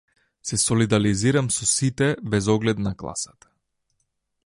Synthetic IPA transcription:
sɛsɔlid̪aliziɾamsɔsit̪ɛbɛzɔɡlɛt̪naklˠa̰sat̪ḁ

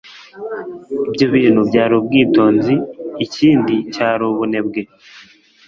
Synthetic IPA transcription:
ibjo̞βiːn̥hubɟaːɾubɡiːto̞ːnziːciːndicaːɾuβune̞bɡe̞

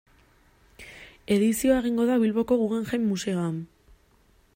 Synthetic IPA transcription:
e̞ðisio̞aeɣ̞iŋɡo̞ðaβilβo̞ko̞ɣuɣeŋxajmːuse̞oam

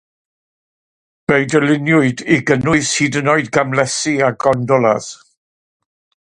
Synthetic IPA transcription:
b̥eɨdəlɪnjʊɨdiɡənʊɨsiːdənɔɨdɡamlɛsiaɡɔndɔlˠa̰ð̥

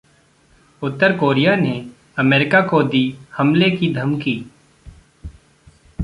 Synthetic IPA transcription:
ʊt̪ːəɾkoːɾijane | ɐmeːɾɪkakod̪iːhɐmlekid̪ʱɐmkiː

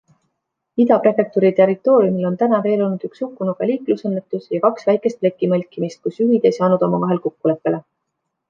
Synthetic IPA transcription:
id̪ɑpre̞fek̚t̪uɾit̪e̞rit̪ːˑo̞ːɾjumilo̞nt̪ænɑve̞ːlo̞lnud̪̥yksukːˑunoɡ̥ɑliːklusɤnːe̞t̪ːˑusjɑkɑksvæjkˑe̞st̪ple̞kːˑimɤlʲkːˑimist̪̚kusyɦid̪̥e̞jsɑːnud̪̥o̞mɑvɑɦe̞lkokːule̞pːe̞le̞

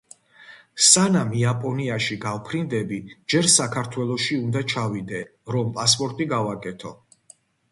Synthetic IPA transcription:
sanamiapʼɔniaʃiɡavpʰɾind̪ɛbid͡ʒɛɾsakʰaɾt̪ʰwɛlˠɔʃiund̪at͡ʃʰavid̪ɛ | ɾɔmpʼaspʼɔɾt̪ʼiɡavakʼɛt̪ʰɔ

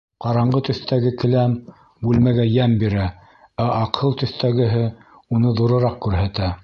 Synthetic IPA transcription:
qɑɾɑɴɢɤt̪ɵ̆θt̪æɡɘkɘ̆læm | bʉlmæɡæjæmbiɾæ | æʔɑqʰɤlˠt̪ɵ̆θt̪æɡɘ̆ɦɘ | unɤðuɾɤ̆ɾɑq̚kʉɾhæt̪æ

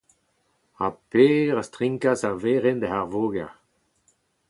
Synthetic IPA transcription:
apeːʁastʁĩŋkasaʁveːʁend̪əɦaʁvoːɡaʁ

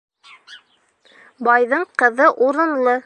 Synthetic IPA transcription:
bɑjðɤɴqɤ̆ðɤʔuɾɤ̆nlˠɤ

